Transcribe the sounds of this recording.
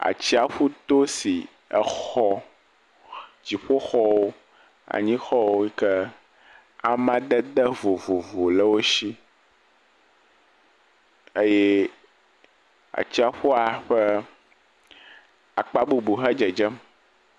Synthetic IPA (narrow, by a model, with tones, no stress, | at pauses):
a̰˨t͡ɕi˦a˨ɸu˦t̪o˦si˨ | ə̰˨xɔ˦ | d͡ʑi˨ɸo˦xɔ˦wo˦ | a̰˨ɲĩ˦xɔ˦wo˦i˦kɛ˦ | a˦mã˦ɖɛ˦d̪ɛ˦vo˨vo˨vo˨lə˦wo˦ʃi˦ | e˦je˦ | a̰˨t͡ɕi˦a˨ɸu˦a˨ɸɛ˦ | a˨k͡pa˦bu˨bu˨xɛ˦d͡ʒɛ˨d͡ʒɛ˦m